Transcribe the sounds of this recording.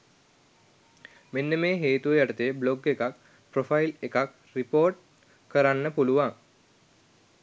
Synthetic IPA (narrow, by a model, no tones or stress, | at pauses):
menːəmeːɦeːt̪uʋəjaʈət̪ebloɡekak̚ | profailekak | ripoːrʈ̚ | kəɾanːəpuluʋaŋ